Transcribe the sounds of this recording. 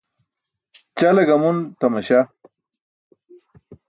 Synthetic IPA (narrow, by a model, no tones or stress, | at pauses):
t͡ɕalɐɡɐmunt̪ɐmɐɕa